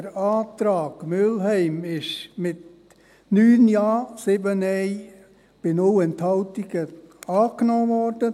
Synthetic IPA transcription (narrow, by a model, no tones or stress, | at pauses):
əɾaːtɾaːɡ̥mʏlɦɛɪmɪʃmɪt | nyːnjɑːsɪbənɛɪ | b̥ɪnowɛnt̪hɑʊtiɡ̥əɑːknɔːvɔrd̥ə